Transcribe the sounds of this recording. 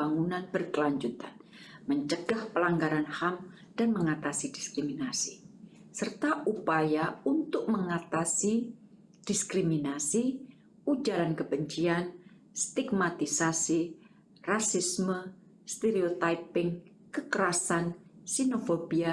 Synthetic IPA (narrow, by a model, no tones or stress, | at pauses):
aŋunanb̥ərkəlaɲd͡ʒut̪an | məɲt͡ʃəɡahpəlaŋɡaɾanham | d̥anməŋat̪asidiskɾiminasi | sərt̪aʔupajaunt̪ʊk̚məŋat̪asi | d̥iskɾiminasi | ud͡ʒaɾankəbəɲt͡ʃian | st̪iɡmat̪isasi | rasismə | st̪eɾiot̪aipɪŋ | kəkəɾasansinofobia